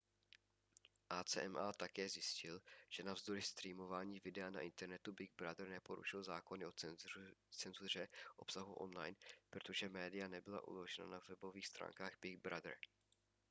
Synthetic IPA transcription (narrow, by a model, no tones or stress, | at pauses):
ʔaːt͡sɛ̰ːʔɛmʔat̪akɛːzjɪscɪlʒ̥ɛnavzd̪o̞ɾɪst̪ɾiːmo̞vaːɲiːvɪdɛana̰ʔɪnt̪ɛɾnɛt̪ubɪɡ̚bɾad̪r̩nɛpo̞ɾṵʃɪlzaːko̞nɪo | t͡sɛnzur̝ɛʔo̞psaɦuʔo̞̰nlajnpɾot̪o̞ʒɛmɛːdɪjanɛbɪla̰ʔṵlo̞ʒɛna̰navɛbo̞viːxst̪ɾʔa̰ːŋkaːɣbɪɡ̚bɾad̪r̩